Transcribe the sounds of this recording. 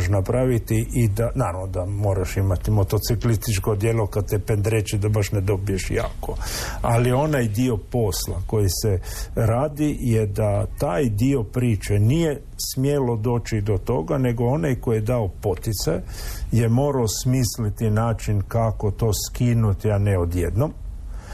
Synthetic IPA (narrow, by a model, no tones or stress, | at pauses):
ʃnapɾaʋit̪iʔid̪anaːɾamnod̪amo̞ːɾaʃimat̪imo̞t̪o̞t̪siklist̪it͡ʃkod̪jelokat̪epend̪ɾet͡ʃid̪abaʃned̪o̞bijeʃja̰ːkoalio̞najd̪io̞po̞sla̰kojiseɾaːd̪ijed̪at̪aːjd̪io̞pɾiːt͡ʃenije | smjelo̞d̪o̞ːt͡ʃid̪o̞t̪o̞ɡane̞ɡo̞o̞najkojed̪aopot̪it̪sajjemoːɾaosmiːslit̪inaːt͡ʃinkako̞t̪o̞ːskiːnut̪ianeo̞d̪jḛd̪nom